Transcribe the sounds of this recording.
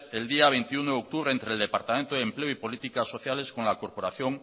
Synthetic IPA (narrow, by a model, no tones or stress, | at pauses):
e̞ld̪iaβ̞ejnt̪iunoðeok̚t̪uβ̞ɾeːnt̪ɾeld̪e̞paɾt̪amẽnt̪oðempleoipo̞lit̪ikasːo̞θjale̞skonlako̞ɾpo̞ɾaθjo̞ŋ